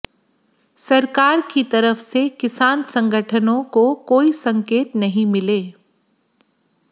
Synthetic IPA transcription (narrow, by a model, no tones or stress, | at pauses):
sɐɾkaːɾkit̪ɐɾəfsekɪsaːnsɐ̃ŋɡʱəʈʰənõkokoːisɐ̃ŋkeːt̪nɐɦĩmɪleː